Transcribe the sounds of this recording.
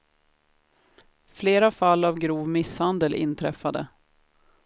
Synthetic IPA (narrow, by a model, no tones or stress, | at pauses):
fleːɾafalːavɡɾuːvmɪshand̪əlʔɪ̰nt̪ʰɾɛ̰fad̪ə̰